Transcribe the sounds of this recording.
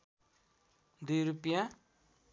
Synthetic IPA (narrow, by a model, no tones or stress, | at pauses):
d̪ujɾupjã